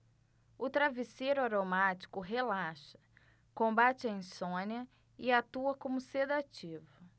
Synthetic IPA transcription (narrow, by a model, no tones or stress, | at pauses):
ʊt̪ɾavisejɾʊaɾomat͡ʃi̥kʊɦelaʃɐ̥ | kõmbat͡ʃɪɐĩsõnɐ | ɪat̪uɐkõmʊsed̪at͡ʃivʊ